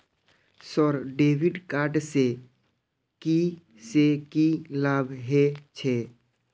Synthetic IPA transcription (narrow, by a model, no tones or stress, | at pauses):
sɔɾɖeːwɪɖkaːɾʈse | ki | sekilaːbʱɦet͡ʃʰɛː